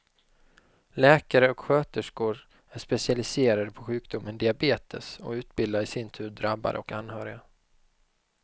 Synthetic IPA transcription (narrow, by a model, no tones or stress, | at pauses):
lɛːkaɾəɔkɧøːt̪əʂkʊɾ | æʂpɛsɪalɪseːɾad̪əpʰɔɧʉ̟ːkd̪ʊmːənd̪ɪabeːt̪ʰəsɔ̰ʉ̟ːt̪bɪld̪aɾɪsɪnt̪ʰʉ̟ːɖɾabːa̰ɾə̰ɔkanːhœːɾɪɡa